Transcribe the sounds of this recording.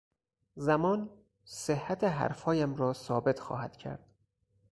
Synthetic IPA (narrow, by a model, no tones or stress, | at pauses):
zæmɒːn | sehːæt̪ʰeɦæ̰ɾfɒːjæmɾɒːsɒːbe̞t̪ʰxɒ̰ːhæd̪̥cʰæ̰ɾd̪̥